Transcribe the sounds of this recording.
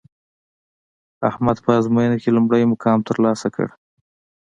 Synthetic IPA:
a̰hmad̪pəazmojənakelumɽəjmʊkʰɑmt̪əɾlɑsakə̰ɽ

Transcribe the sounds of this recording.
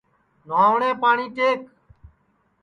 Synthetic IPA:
naːʋɳẽːpaːɳiːkeːk

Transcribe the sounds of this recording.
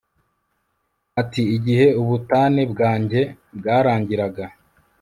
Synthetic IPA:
atiːɟihe̞uβutaːnebɡaːɲɟe̞ | bɡaːɾaːɲɟiɾaɡa

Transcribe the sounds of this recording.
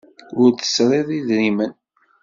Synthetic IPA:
ʊɾθə̥sɾˤeðˤiðɾimən

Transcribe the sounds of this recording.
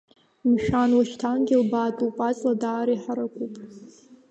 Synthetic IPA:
mʃᶣanwaʃtʰanɡʲɪlbaːtʼupʼat͡sʼladaːɾiħaɾakʷʼupʼ

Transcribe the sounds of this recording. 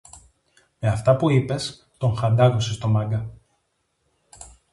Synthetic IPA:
me̞ɐft̪ɐpuipe̞s | t̪o̞ŋxɐnd̪ɐɣosest̪o̞mɐŋɡɐ

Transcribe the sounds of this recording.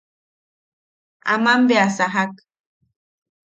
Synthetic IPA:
a̰mambeasaɦak

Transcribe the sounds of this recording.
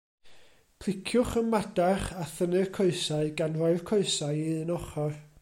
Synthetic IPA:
pʰlˠɪkʰjʊχənmadaχaθənɨrkʰɔɨsaɨɡanrɔɨð̥kʰɔɨsaɨiðɨnɔχɔr

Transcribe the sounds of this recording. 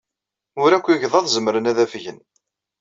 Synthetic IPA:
ʊɾækʷːiʝðˤɑðˤzəmɾənæðæfʝən

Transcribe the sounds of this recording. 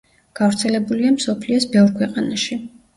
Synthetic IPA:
ɡ̥avɾt̪sʰɛlɛbuliamsɔpʰliɔsbɛvɾkʰwɛqʼanaʃi

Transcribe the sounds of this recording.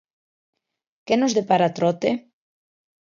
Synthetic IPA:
kenozðepaɾat̪ɾot̪e

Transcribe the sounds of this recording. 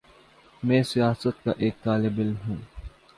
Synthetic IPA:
mɛ̃ːsijaːsət̪̚ka̰ʔeːk̚t̪aːlɪbɪlmɦũː

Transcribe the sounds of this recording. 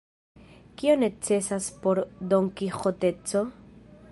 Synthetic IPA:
kio̞ne̞t͡se̞saspoɾdo̞ŋkixo̞te̞t͡so̞

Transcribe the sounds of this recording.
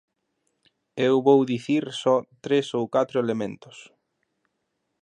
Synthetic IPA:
ewβowðiθiɾsɔt̪ɾesowkat̪ɾʊelemẽnt̪ʊ̥s

